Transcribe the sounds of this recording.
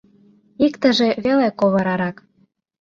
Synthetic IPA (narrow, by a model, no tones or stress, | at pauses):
ikt̪ə̆ʒĕβelekoβɤ̆ɾɑɾɑk